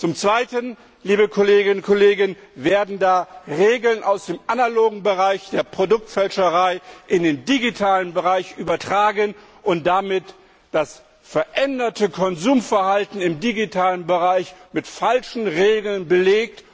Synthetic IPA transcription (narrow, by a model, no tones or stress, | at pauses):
t͡sʊmt͡sv̥aɪtən | liːbəkʰoleːɡɪnnkʰɔleːɡɪnveːɐdn̩daːʁeːɡl̩nʔaʊsd̥eːmʔanaloːɡŋ̩bəʁaɪçd̥eːɐpʁ̥odʊk̚tfɛlʃəʁaɪʔɪndeːndiɡitʰaːlənbəʁaɪçʔyːbɐtʁ̥aːɡən | ʔʊnt̚d̥amɪt | d̥as | fɛɐʔɛndɐtʰəkʰɔnzuːmfɛɐhaltn̩ɪmdiɡitʰaːlənbəʁaɪçmɪtfalʃn̩ʁeːɡl̩nbəleːk̚t